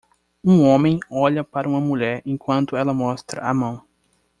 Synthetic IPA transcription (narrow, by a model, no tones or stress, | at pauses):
ũõmẽj̃ɔʎɐpaɾɐũmɐmuʎɛɾẽkwɐ̃nt̪ʊɛlɐmɔst̪ɾɐ̰ʔamɐ̃w̃